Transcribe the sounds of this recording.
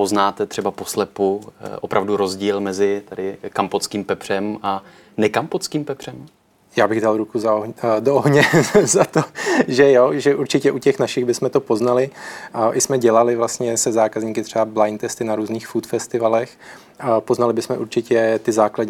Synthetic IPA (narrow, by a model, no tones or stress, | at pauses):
po̞znaːt̪ɛt̪r̥ɛbaposlɛpuʔopɾavduɾo̞zɟiːlmɛzɪt̪ɛdɪkampot͡skiːmpɛpr̥ɛmʔa | nɛkampot͡skiːmpɛpr̝̥ɛm | jaːbɪɣdalɾukuzaodooɦɲɛzat̪oʒɛjoʒɛʔuɾt͡ʃɪcɛʔucɛxnaʃɪɣbɪsmɛt̪opo̞znalɪʔɪsmɛɟɛlalɪvlast̪ɲɛsɛzaːkazɲiːkɪt̪r̥ɛablajnt̪ɛst̪ɪnaɾuːzniːxfut̪fɛst̪ɪvalɛx | po̞znalɪbɪsmɛʔuɾt͡ʃɪcɛt̪ɪzaːkladɲ